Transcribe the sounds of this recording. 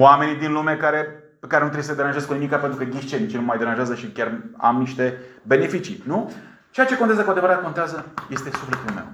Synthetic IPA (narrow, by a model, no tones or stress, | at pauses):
wame̞nid̪inlumekaɾe̞ | pekaɾenut̪ɾeesəd̪eɾanʒeazkunimikape̞nt̪ɾukəɡʲiʃt͡ʃenit͡ʃinummajd̪e̞ɾanʒeazəʃikʲara̰mniʃt̪e̞be̞ne̞fit͡ʃinu | t͡ʃejat͡ʃekoeazəkoad̪evəɾat̪̚kot̪eazəje̞st̪e̞suflet̪ulme̞̰w